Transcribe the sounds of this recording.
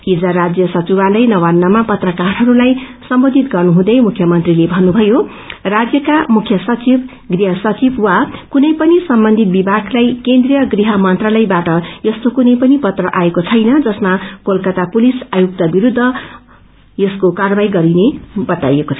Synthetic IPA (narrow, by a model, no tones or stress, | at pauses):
id͡zaɾad͡zjʌsʌt͡sibalʌjnʌwanːʌmapʌt̪rʌkaɾɦʌɾulajsʌmbod̪ʱit̪ɡʌrnuɦũd̪ʌjmukʰjʌmʌnt̪rilebʱʌnːubʱʌjo | rad͡zjʌkamukʰjʌsʌt͡sib | ɡriɦʌsʌt͡sibwakunʌjpʌnisʌmbʌnd̪ʱit̪̚bibʱaklajkend̪rijʌɡriɦʌmʌnt̪ralʌjbaʈʌjʌst̪okunʌjpʌnipʌt̪rʌʔaekot͡sʰʌjnʌd͡zʌsmakolkʌt̪apulisajuk̚t̪abiɾud̪ʱːʌ | jʌskokarbajɡʌɾinebʌt̪ajekot͡sʰ